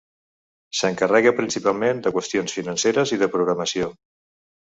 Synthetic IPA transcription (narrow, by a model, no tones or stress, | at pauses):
səŋkərɛɣəpɾinsipalˠmend̪əkwəst̪ionsfinənseɾəziðəpɾuɣɾəməsio